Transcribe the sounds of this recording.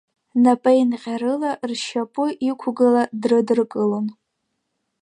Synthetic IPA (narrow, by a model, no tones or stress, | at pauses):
napʼajnqʲaɾɨlarʃapʼʊʔikʷʰʊɡaladrɨdrkʼɨlon